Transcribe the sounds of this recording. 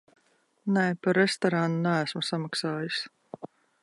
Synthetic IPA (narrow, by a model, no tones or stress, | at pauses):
nɛjpaɾːest̪ɔɾanunææsmasamaksaːjus